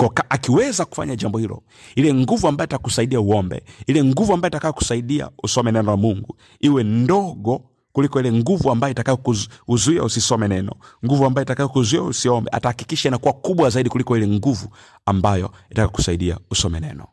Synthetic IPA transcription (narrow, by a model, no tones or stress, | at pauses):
kɔkaʔakiwɛzaku̥fa̰ɲaʄambɔhilɔ̰ | ilɛŋɡuvuambajɔitakusaiɗiauɔmbɛ̰ilɛŋɡuvuambajɔitakajɔku̥saiɗia̰usɔmɛnɛnɔlamuŋɡu | iwɛndɔɡɔ | kulikɔilɛŋɡuvuambajɔitakaikuuzuia̰usisɔmɛnɛnɔ̰ŋɡuvuambajɔitakajɔkuzuia̰usiɔmbɛ̰ʔa̰tahakikiʃanakuwakuɓwazaiɗikulikɔilɛŋɡuvu | ambajɔitakaku̥saiɗia̰usɔmɛnɛ̰nɔ